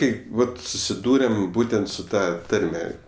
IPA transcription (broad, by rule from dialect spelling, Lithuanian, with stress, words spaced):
ˈkɐɪp ˈʋɐt sʊsʲɪˈduːrʲɛm ˈbuːtʲɛnt sʊ ˈtɐ ˈtɐrʲmʲɛ